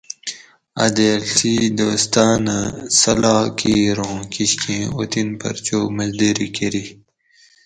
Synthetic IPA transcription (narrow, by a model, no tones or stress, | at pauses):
ɐd̪eːlt̪id̪oːst̪aːnasɐlaːkʰiːɾõːkiɕkʰẽot̪inpɐ̰ɾt͡ɕoːmɐzd̪eɾikeɾi